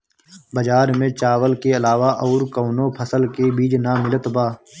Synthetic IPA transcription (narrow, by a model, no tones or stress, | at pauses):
bəd͡ʒaːɾmẽt͡ʃaːʋəlkeɐlaːʋaʔɔːɾkoːnõpʰəsəlkebiːd͡ʒnamɪlət̪baː